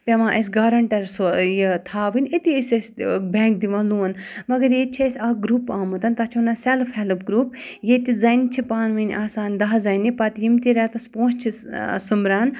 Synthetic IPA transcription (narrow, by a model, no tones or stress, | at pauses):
pʲeʋãːʔɐs̬ɡɐɾɐɳʈɐɾsojet̪ʰaːʋinʲet̪isesʲbɛ̃ːŋk̚d̪iʋãːluːnmɐɡɐɾjet͡ʃʰesʲaːɡɾuːpaːmut̪ɐnt̪ɐt͡ʃʰiunasɛlfɛlɨpɡɾuːp | jet̪izɐjnt͡ʃʰipaːnʋɐnʲʔaːsaːnd̪ɐɦzɐjnipɐt̪jimt̪iɾɛt̪ɐspõːst͡ʃʰisumɾaːn